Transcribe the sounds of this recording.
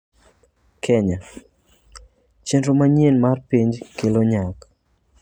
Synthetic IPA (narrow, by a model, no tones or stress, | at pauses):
kʰɛɲa | t͡ʃenromaɲenmarpiɲd͡ʒkeloɲak